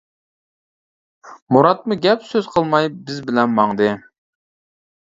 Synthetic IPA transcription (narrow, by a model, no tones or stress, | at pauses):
muɾɑt̪̚muɡʲɛpsøz̥qʰəlˠmɑjbɪzbɪlɛnmɑŋd̪ɨ